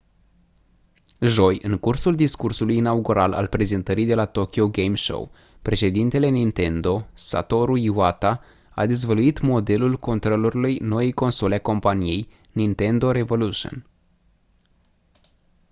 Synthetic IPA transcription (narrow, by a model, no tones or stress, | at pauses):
ʒo̞jɨŋkursuld̪iskursulujinauɡuɾala̰lpɾe̞ze̞nt̪əɾijd̪e̞lat̪o̞kʲioɡejmʃo̰w | pɾe̞ʃe̞d̪int̪e̞le̞nint̪e̞nd̪o̞sa̰t̪o̞ɾuiwat̪a | a̰d̪ezvəluit̪mo̞d̪e̞lulko̞nt̪ɾoluɾilujno̞jejko̞nso̞leako̞mpanije̞j | nint̪e̞nd̪o̞ɾevo̞luʃo̰n